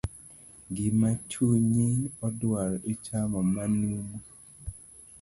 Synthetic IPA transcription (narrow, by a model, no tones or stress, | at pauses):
ɡɪmat͡ʃuɲiɔdwaɾet͡ʃamɔmanumu